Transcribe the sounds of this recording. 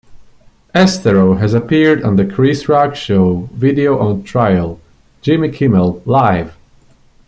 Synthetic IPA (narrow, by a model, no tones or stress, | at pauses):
ɛstɛɹoʊɦɨzəpʰiɹd̃n̩ðɨkʰɹisɹɑkʃoʊvɪdioʊʔntʰɹ̥aɪəlˠ | d͡ʒɪ̃mikʰɪməlˠlaɪv̥